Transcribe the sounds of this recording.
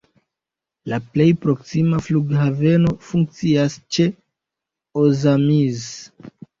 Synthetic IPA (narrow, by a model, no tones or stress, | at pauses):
laple̞jpɾo̞ksimafluɡhave̞no̞fuŋk̚t͡siast͡ʃe̞ | ozamiz